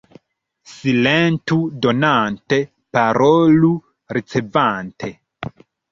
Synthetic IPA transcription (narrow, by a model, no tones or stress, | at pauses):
silentudo̞nante̞ | paɾolu | ɾit͡sevantʰe̞